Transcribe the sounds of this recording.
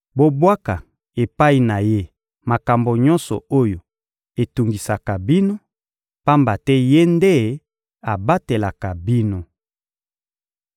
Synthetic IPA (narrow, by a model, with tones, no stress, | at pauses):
bo˦bwa˦ka˨ | e˨pa˦i˨na˨je˦ | ma˨ka˨mbo˨ɲɔ˦nsɔ̰˨o˦jo˨ | e˨tu˨ŋɡi˨sa˨ka˨bi˦no˦ | pa˦mba˨tɛ˦je˦nde˦ | a˨ba˦te˨la˨ka˨bi˦no˦